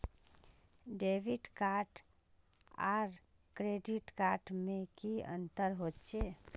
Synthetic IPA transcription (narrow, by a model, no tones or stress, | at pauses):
ɖeːʋiɖkaːɾʈ | a̰ːɾ | kɾeɖiʈkaːɾʈmẽkiə̰nt̪əɾɦoːtt͡ʃʰe